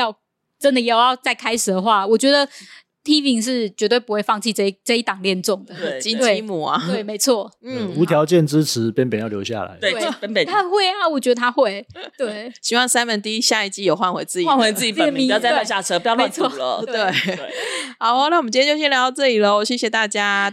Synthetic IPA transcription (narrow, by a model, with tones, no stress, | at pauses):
jɑ˥˧ʊ | ʈ͡ʂə˦nd̪ə˨jɛ˧˥jo˨˩jɑ˥˧ʊt͡sa˥˩ɪkʰa˥ɪʂɻ̩˨˩d̪ə˩xwa˥˩wɔ˨˩t͡ɕɥɛ˧˥d̪ə˨ | t̪ʰi˥pi˧˥ŋʂ̬ɻ̩˥˩t͡ɕɥɛ˧˥t̪we˥˩ɪpu˦xwe˥˧ɪfɑ˥˧ŋt͡ɕʰi˥˧ʈ͡ʂi˥ʈ͡ʂə˥˧˦i˥˩t̪ɑ˨˩ŋljɛ˥˧nʈ͡ʂʊ˥˩ŋd̪ə˩˥˩t͡ɕi˥nt̪wt͡ɕe˩ɪi˥mu˨˩ɐ̰˨˦e˥˩ɪme˧˥ɪt͡sʰwɔ˥˩n̩˥˩u˧˥t̪ʰjɑ˨˧˦ʊt͡ɕjɛ˥˩nʈ͡ʂɻ̩˦t͡s̩ʰ˧˥pjɛ˥npjɛ˨˩njljo̰˧ʊɕja̰˨˩la̰˨˦we˥˩˥ə˥n˨˩t̪ʰa˥xwe˥˧˥a˥˧wu˨˩t͡ɕɥɛ˧d̪ə˧t̪ʰa˥xwe˥˩ɪt̪we˥˩ɪɕi˧˥wɑ˥˩ŋsa˥nmə˨˦nt̪̬i˥˧i˦˥ɕja˥˧i˥˩t͡ɕi˥jo˨˩ʊxwa˥˩nxwe˧˥ɪt͡sɹ̩˥˩i˨a˥˨nwe˧˦t͡s̩˥˩t͡ɕi˨˥˨mi˨˧jt͡sa˥˧˦a˥˧ɕja˥˧˩t͡sʰə˧˥pjɑ˥˧me˧˦t͡sʰwɔ˥˧˨t̪t̪we˥˩e˥˩ha˨˧˦ʊ˧˦na˥˩wɔ˨m̩˨˩t͡ɕt͡ɕo˥˧˩ɕjɛ˥ljɑ˧˦˥t͡sɤ˥˩li˨˩lə˨˩wɔ˨˩ɕjɛ˥ɕjɛ˨˩t̪a˥˩t͡ɕja˥